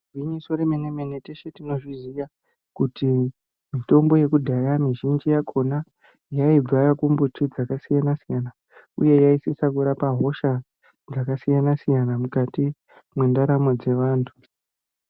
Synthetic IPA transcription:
wiɲisoɾemenemeneteʃetino̞ʐizija | kuti | mito̞mbo̞je̞kudʱajamiʒind͡ʒijakʰo̞na | jaib͡varakumbutʰid͡zakasijanasijana | ṵje̞jaisisakuɾapaɦo̞ʃa | d͡zakasijanasijanamukati | mwe̞ndaɾamod͡ze̞ʋaːntʰu̥

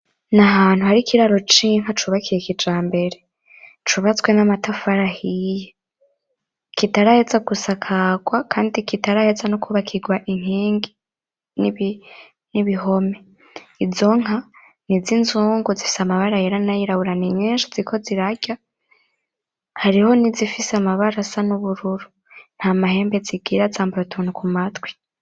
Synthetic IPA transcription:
naɦaːn̥huhaɾikʰiɾaɾo̞t͡ʃiŋ̥atuβakʰijekid͡ʒaːmbe̞ɾe̞ | t͡ʃuβat͡swe̞namatafaɾahije | kitaɾahezaɡusakʰaːɡwakʰaːndikitaɾahezanokʰuβakʰiɡwaʔiŋ̥hiːŋɡi | niβi | niβiho̞me | izo̞ŋ̥a | nizinzuːŋɡuzifi̥samaβaɾajeɾanajiɾaβuɾaniɲeːnʃozikʰo̞ziɾaɟʲa | haɾiho̞nizifiseamaβaɾasanuβuɾuɾu | n̥hamahe̞ːmbeziɡiɾazaːmbaɾotʰonukumatwi̥

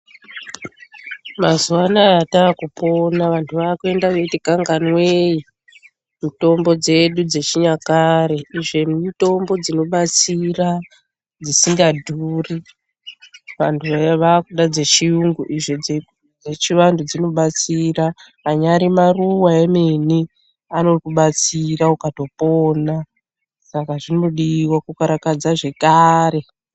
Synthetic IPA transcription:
mazuwanajataːkupo̞naʋantʰuʋaːkue̞ndaʋe̞tikaŋɡanweji | muto̞mbo̞d͡ze̞ɗud͡ze̞t͡ʃiɲakaɾe̞iʐe̞ito̞mbo̞d͡zino̞ɓat͡sira | d͡zisiŋɡadʱuːri | ʋantʰuʋaʋaːkuɗad͡ze̞t͡ʃiuŋɡuʔiʐed͡ze | d͡zet͡ʃiʋandud͡zino̞ɓat͡siraː | ɲaɾimaruwaemeni | ano̞kuɓat͡siraukato̞poːna | sakaʐino̞ɗiːwakukaɾakad͡zaʐe̞kare̞

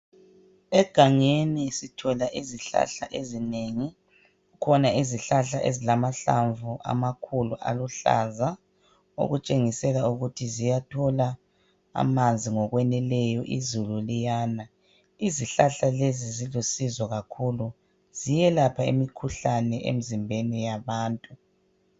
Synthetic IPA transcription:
ɛɡ̥ʱaŋenisitʰɔlaʔiziɬa̰ɬa̰ʔezineŋi | ukʰɔnaiziɬaɬaʔezilamaɬa̰ɱvuʔa̰makʰuluʔa̰luɬa̰za | o̰ɣut͡ʃʼeŋisɛlauɣutʰizijatʰɔla | a̰mand͡zʱiŋɔɣwɛnɛlɛjɔʔizululijaːna | iziɬaɬalezizilusizɔɣakʰulu | z̥ijɛlapʰaḭmikʰuɬanɛʔḛm̩zimbʱenijaβaːntʼu

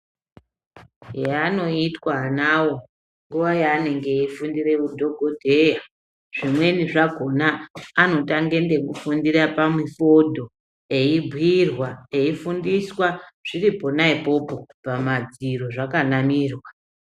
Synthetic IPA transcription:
jano̞itwanawo̞ | ŋɡuʋajaːne̞ŋɡe̞ifundire̞kudʱo̞ɡʱodʱe̞ja | ʐ̥imwe̞niʐaɡʱo̞naːno̞taŋɡe̞nde̞kufundirapamwifo̞dʱo | e̞ibʱwirwae̞ifundiswaʐ̥iripo̞naipo̞po̞pamad͡ziroʐakanamiːrwa

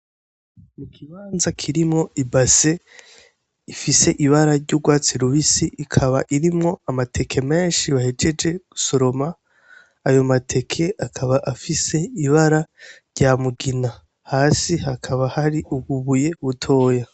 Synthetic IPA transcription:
mukʰiβaːnzakʰiɾimŋo̞ibase̞ | ifise̞ʔiβaɾaɾɟuːɡwaːt͡siɾuβisiʔːkʰaβaʔiɾimŋo̞amatʰe̞kʰe̞me̞ːnʃiβahed͡ʒe̞d͡ʒe̞ɡ̥uso̞ɾo̞maː | jo̞matʰe̞kʰe̞akʰaβaʔafise̞iβaɾaɾɟamuɡina | haːsihakʰaβahaɾiʔuβuβuje̞βutʰo̞ːja

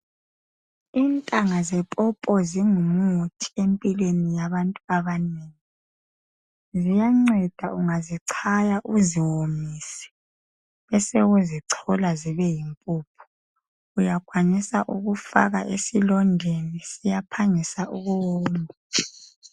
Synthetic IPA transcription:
iːntʼaŋazɛpʼɔpʼɔziŋumutʰi̥empʼilwenijaβantʼuaβaneːŋi | zijaŋ͡ǀɛd̥ʱaʔuŋaziǀʰajaʔuziwomiːsɛ̥ | βɛseɣuziǀʰɔlaziβɛjimpʼuːpʰu̥ | ujakʰwaɲisaʔuɣufa̰ɣa̰ʔesilɔndʱenisijapʰaŋisaʔuɣuwoːmbʱa

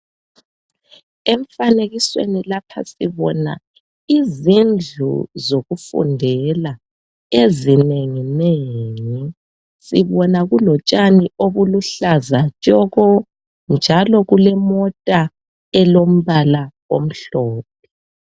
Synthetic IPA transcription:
eɱfaneɣiswḛnilapʰa̰siβɔna̰ | izind͡ɮʱṵzoɣufṵndʱɛla | ezineŋineːŋi | siβɔnaɣulɔt͡ʃʼaniʔoβuluɬazat͡ʃʼɔɣɔ | nd͡ʒʱalɔɣulɛmɔtʼa | ɛlom̩βala | o̰m̩ɬɔːp̚ʰɛ̥

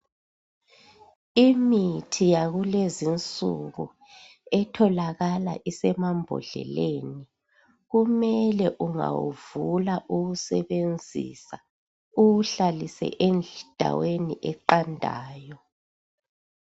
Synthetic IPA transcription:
imitʰijaɣulezint͡sʼuɣu | ɛtʰɔlaɣala̰ʔisɛmambʱɔ̰ɮɛ̰leni | ɣumɛlɛʔuŋa̰wṵvulaʔuɣusɛβend͡zʱḭsa | uɣuɬalisɛ̰ʔend͡ɮd̥ʱa̰weniʔɛǃandʱa̰ːjɔ

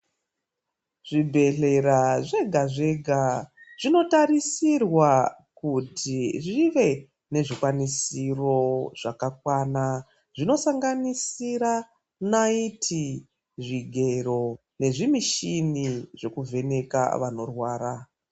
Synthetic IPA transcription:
ʐ̥ibʱe̞ɬe̞ɾaʐe̞ɡʱaʐe̞ɡʱaʐ̥ino̞tarisirwakutʰiʐiʋe̞ | ne̞ʐikwanisiro̞ʐ̥akakwana | ʐino̞saŋɡanisiɾa | naitʰi | ʐiɡʱe̞ro̞ | ne̞ʐimiʃiniʐe̞kuvʱe̞ne̞ka̰ʋano̞rwaːra

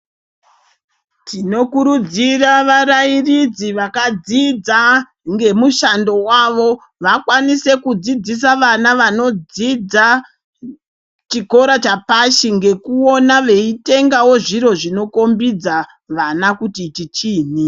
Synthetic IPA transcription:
tino̞kuɾud͡ziraʋaɾairid͡ziʋakad͡zid͡za | ŋɡe̞muʃando̞waʋo̞ | ʋakwanise̞kud͡zid͡zis̬aʋanaʋano̞d͡zid͡za | t͡ʃiko̞ɾat͡ʃapaʃiŋɡe̞kuo̞naʋe̞ite̞ŋɡawo̞ʐiɾo̞ʐino̞ko̞mbid͡za | ʋanakutitit͡ʃiːni

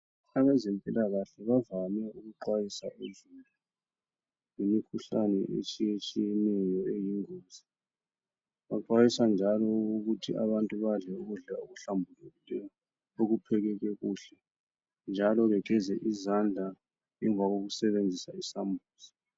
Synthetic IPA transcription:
aβɛzempʼilaɣaɬɛβavamɛuɣuǃwajisa̰ʔuzulu | jimikʰuɬanɛ̰ʔḛt͡ʃʼijet͡ʃʼijɛnɛjɔejiŋoːzi | βaǃwajisand͡ʒʱalɔuɣutʰia̰βantʼuβaɮɛuɣuɮaoɣuɬambʱulɛilɛjɔ | oɣupʰɛɣ̬ɛɣ̬ɛɣuːɬɛ | nd͡ʒʱalɔɣɛɡʱɛzɛʔizand͡ɮʱa | ɛɱvʱaɣ̬oɣ̬usɛβend͡zʱisaisambʱuːzi

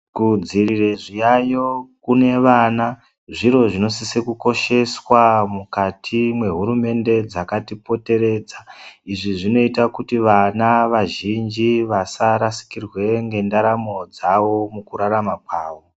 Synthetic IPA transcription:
kud͡ziɾireʐijajo̞kune̞ʋana | ʐiɾo̞ʐino̞sisekuko̞ʃe̞swamukatʰimwe̞ɦuɾume̞nde̞d͡zakatipo̞te̞ɾe̞ːd͡zaiʐiʐino̞itakutiʋanaʋaʒind͡ʒiʋasaɾasi̥kirwe̞ŋɡe̞ndaɾamo̞d͡zaʋo̞mukuɾaɾamakwaːʋo̞

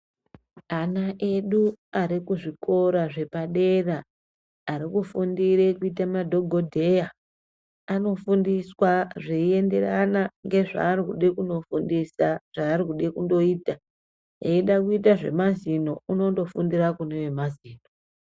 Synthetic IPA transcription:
anaʔe̞ɗuaɾikuʐikʰo̞ɾaʐe̞paɗe̞raː | ɾikufundiɾe̞kuitamadʱo̞ɡʱo̞dʱe̞ja | ano̞fundiswaʐeie̞nde̞ranaŋɡe̞ʐa̰ːrikuɗekundo̞fundisaʐ̥aːrikuɗekundo̞iːta | eiɗakuitaʐe̞̰mazino̞uno̞ndo̞fundirakune̞we̞maziːno

